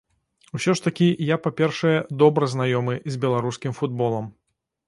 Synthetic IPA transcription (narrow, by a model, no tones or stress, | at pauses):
wsʲɔʂt̪ɐkʲijapapʲɛrʂɐjɛd̪ɔbɾɐznajɔmɨzʲbʲɛlˠaɾuskʲimfud̪̚bɔlˠɐm